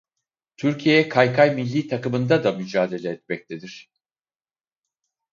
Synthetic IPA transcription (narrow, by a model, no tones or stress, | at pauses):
t̪ʰyɾcʰije̞jɛkʰajkʰajmilʲːiːt̪ʰakɯmɯnd̪ad̪amyd͡ʒaːd̪e̞lʲeːt̪mɛc̚t̪ʰe̞d̪iɾ̝̥